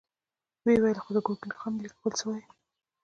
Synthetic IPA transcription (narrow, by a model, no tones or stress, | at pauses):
wewajəlxod̪əɡokɪnxamlikawəlsəwaj